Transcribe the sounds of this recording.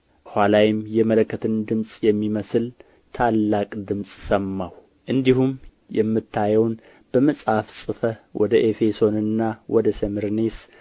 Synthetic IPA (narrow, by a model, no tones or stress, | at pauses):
hʷalawjɪmjɛmələkːət̪ʰɨnd̪ɨmsʼjɛmːiməsɨl | t̪ʰalːakʼd̪ɨmsʼsəmːaw | ʔɨnd̪ihum | jɛmːɨt̪ʰːajɛwn | b̥əməsʼhafsʼɨfəwʔɔd̪əʔefe̞so̞nɨnːawʔɔd̪əsəmɨɾnes